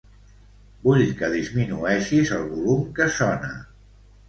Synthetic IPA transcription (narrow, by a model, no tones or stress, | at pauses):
buʎkəðizminuɛʃizəlˠβulumkəsɔnə